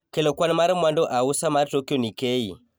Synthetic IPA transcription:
kɛlɔkwanmaɾimwandɔʔausamaɾitokiɔnikei

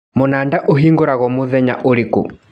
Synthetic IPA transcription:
mʊnandaʔuɦiŋɡuɾaɣɔmʊðɛɲa̰ʔoɾikṵ

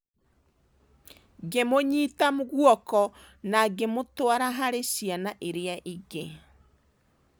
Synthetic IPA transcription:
ɡemoɲiːtamoɣwɔkɔ | naɡemotwaɾaɦaɾesianaʔeɾeaʔiɣe

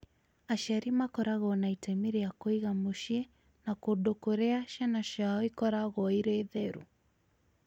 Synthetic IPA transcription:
aʃaɾimakɔɾaɣɔnaitɛmiɾiakɔiɣamuʃiɛ | nakuɗɔkɔɾɛaʃanaʃawikɔɾaɣɔiɾɛðɛɾṵ

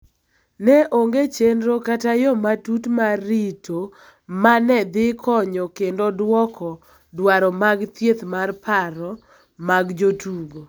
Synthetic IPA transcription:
nɛʔoŋɡet͡ʃendɾokatajɔmatutmaritʰo | manɛd̪ɪkʰɔɲɔkendodwɔkʰɔ | dwaɾɔmaɡt̪jet̪marpʰaɾɔ | maɡd͡ʒotʰubo

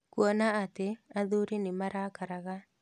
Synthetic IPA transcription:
kwɔnaat̪eaðuɾinɪmaɾakaɾaɣa

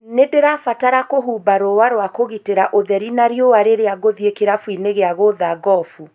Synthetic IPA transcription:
nedeɾafataɾakoɦuːbaɾowaɾwakoɣiteɾaʔoðɛɾinaɾjowaɾeɾeaɡoðiekeɾafwineɣeaɣoðaɡɔfu

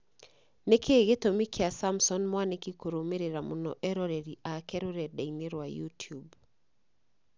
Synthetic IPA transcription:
nekʰeɣetomikʰeasamsɔnmwanekikoɾomeɾeɾamonɔ̰ʔɛɾɔɾɛɾiʔakɛɾoɾɛdaineɾwajutub

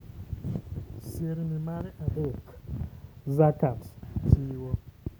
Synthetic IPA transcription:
seɾimimanɛʔabok | zakattiːwɔ

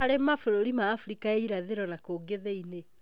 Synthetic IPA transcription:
aɾemafoɾoɾimaːfuɾikaeiɾaðeɾɔnakoːɡeðɛine

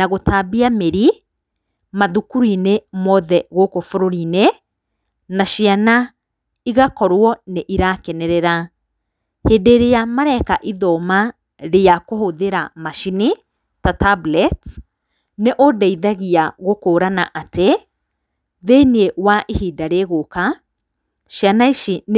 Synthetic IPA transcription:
naɣotaːbiameɾi | maðukuɾinemɔðɛɣokofuɾoɾine | naʃiana | iɣakɔɾwɔneʔiɾakɛnɛɾɛɾa | heːdeɾeamaɾɛkaʔiðɔma | ɾeakohoðeɾamaʃini | tatablɛt | neʔodaiðaɣiaɣokoːɾanaʔate | ðenewaʔihiːdaɾeɣoka | ʃianaiʃin

